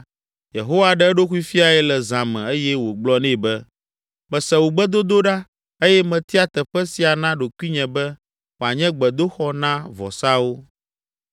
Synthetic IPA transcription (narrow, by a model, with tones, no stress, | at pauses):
jḛ˨ɦo˦wa˦ɖɛ˦ɖo˦xu˦i˦fi˦a˨ɛ˦lɛ˨zã˨mɛ̰̃˨e˦jɛ˦wo˨ɡ͡blɔ˦nɛ̃˦˨bɛ˦ | mɛ̃˨sɛ˨wu˨ɡ͡bɛ˦d̪o˦d̪o˦ɖa˦ | e˦jɛ˦mɛ̃˨t̪i˦a˦t̪ɛ˨ɸɛ˦si˨a˨nã˦ɖo˨kʷi˦ɲɛ̃˨bɛ˦ | wo˨a˨ɲɛ̃˦ɡ͡bɛ˨d̪o˦xɔ˦nã˦vɔ̰˨sa˦wo˦